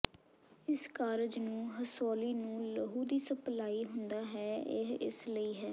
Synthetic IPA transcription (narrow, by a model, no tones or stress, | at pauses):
ɪskaːɾəd͡ʒnũːɦəsoːliːnũːləɦuːd̪iːsəplaːiːɦʊnd̪aːɦɛːɪ̰ɦɪ̰sləiːɦɛː